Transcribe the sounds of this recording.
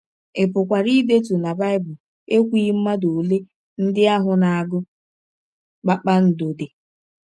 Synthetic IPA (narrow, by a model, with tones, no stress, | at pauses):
ɪ˨pʊ˨kʷa˨ɾi˦de˦t̬u˨na˨ba˦ɪ˦bʊ˨l | e˦kʷiː˦m̩˦ma˦do˨le˦ | n̩˦dɪ˦a˦ɦʊ˨na˨a˨ɡʊ˦ | k͡pa˦k͡pa˦n̩˨do˨de˨